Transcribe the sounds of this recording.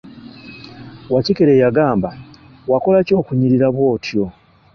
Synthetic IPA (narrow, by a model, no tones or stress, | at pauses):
wacikeɾe̞ːjaɡaːmba | wako̞laco̞ːkuɲiɾiɾaβwo̞ːtʰjo̞